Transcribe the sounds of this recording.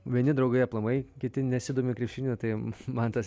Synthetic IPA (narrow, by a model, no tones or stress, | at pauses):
ʋʲiɛnʲɪd̪ɾɐʊɡɐjɛplˠɐmɐɪkʲɪt̪ʲɪnʲɛsʲɪd̪oːmʲɪkɾʲiɛpʲʃʲɪnʲut̪ɐɪmɐnt̪ɐs